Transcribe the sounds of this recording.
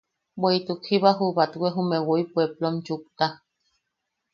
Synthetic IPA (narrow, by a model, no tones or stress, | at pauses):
bweit̪ukhiβaɦuβat̪ɡwʷeɦumewoipueplont͡ʃuk̚t̪a